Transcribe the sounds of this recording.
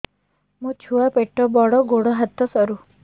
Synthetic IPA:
mũt͡ʃʰuapeʈɔbɔɽɔɡoɽɔɦat̪ːɔsɔɾu

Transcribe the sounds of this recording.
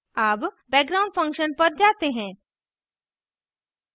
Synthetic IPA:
aːp | bɛːɡɾaːʊ̃ɳɖfʰɐ̃ŋkʃənpɐɾd͡ʒaːt̪eɦɛ̃ː

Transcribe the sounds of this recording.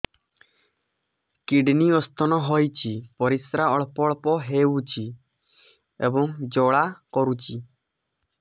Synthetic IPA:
kiɖniɔst̪ʰɔnɔɦɔjt͡ʃʰipɔɾisɾaɔɭpɔɭpɔɦeut͡ʃʰi | ḛbɔŋd͡ʒɔɭakɔɾut͡ʃʰi

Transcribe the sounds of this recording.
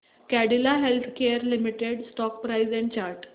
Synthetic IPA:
kæɽilaɦelt̪ʰkeəɾlimiʈeɽsʈɔk̚pɾaizɛ̃ɳt͡ɕaɾʈ

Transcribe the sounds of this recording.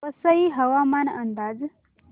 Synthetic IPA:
əsəiɦəʋamanənd̪ad͡z

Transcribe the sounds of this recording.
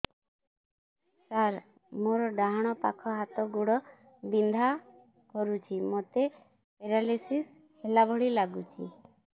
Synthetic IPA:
saɾ | moɾɔɖaɦaɽ̃ɔpa̰kʰɔɦat̪ɔɡuɽɔ | bind̪ʱa | kɔɾut͡ʃʰimot̪e | peɾalisis | helabʱɔɽilaɡut͡ʃʰḭ

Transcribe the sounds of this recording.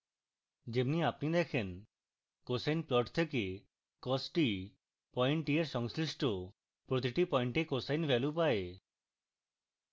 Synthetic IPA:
d͡ʒebniapnid̪ɛkʰen | kosajnplɔʈt̪ʰeke | kɔsʈi | pɔjɳʈieɾʃɔŋsɾisʈo | pɾot̪̬iʈipɔjɳʈekosajnbʱɛlupae

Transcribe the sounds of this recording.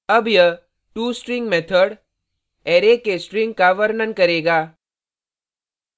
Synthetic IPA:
ɐbjɐ | ʈuːsʈɾɪŋɡmet̪ʰəɽ | eːɾekesʈɾɪ̃ŋɡ̚kaʋəɾnənkɐɾeːɡaː

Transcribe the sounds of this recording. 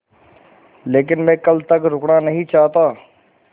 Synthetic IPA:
leːk̬ɪnmɛ̃ːkɐlt̪ɐkɾʊknanɐɦĩt͡ʃaːɦt̪aː

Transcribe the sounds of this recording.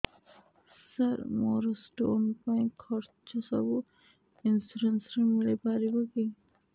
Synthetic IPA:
saɾmɔɾosʈoonupaj̃kʰɔɾt͡ɕosɔ̰bu | insuɾensɾemilepaɾiboki

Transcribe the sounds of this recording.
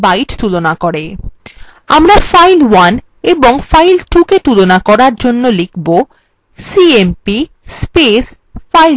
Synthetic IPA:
bajʈt̪ulonakoɾe | a̰mɾafajlwan | eboŋfajlʈuket̪ulonakɔɾaɾd͡ʑonːolikʰbo | siempi | spes | fajl

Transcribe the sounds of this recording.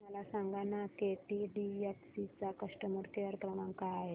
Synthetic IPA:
məlasãŋɡanakeʈiɖieksit͡sakəʂʈəməɾkeəɾkɾəmaŋkajaɦe

